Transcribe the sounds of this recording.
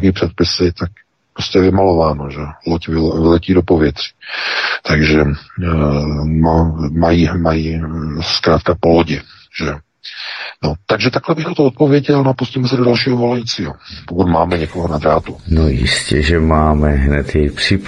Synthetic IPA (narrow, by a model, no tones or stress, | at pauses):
kiːpr̥ɛt̪̚pɪsɪt̪ak̚ | pɾoscɛvɪmalo̞vaːnoʒɛlocvɪvɪlɛciːdo̞po̞vjɛt̪r̝̥i̥t̪aɡʒɛ | mamajiːmajiːskɾaːt̪kapo̞loɟɪ | ʒ̥ɛ | not̪aɡʒɛt̪aklɛbɪxt̪at̪oot̪̚po̞vjɛɟɛlnapuscimɛsɛdodalʃiːɦovo̞lɛjit͡siːɦopokut̪maːmɛɲɛkoɦonad̪ɾaːt̪unojɪ̰scɛʒɛmaːmɛɦnɛt̪jɛjpr̥ɪ